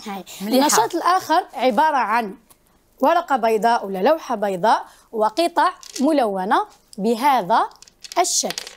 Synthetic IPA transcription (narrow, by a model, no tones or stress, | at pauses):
hæjnːɑʃɑːt̪ˤəlʔæːxəɾˤʕɪbɑːɾˤɑʕan | wɑɾˤɑqɑbɑjd̪ˤɑːʔwəlːalawħabɑjd̪ˤɑːʔ | wɑqɨt̪ˤɑʕmʊlæwːæna | bəɦæd̪æ | əʃːækːl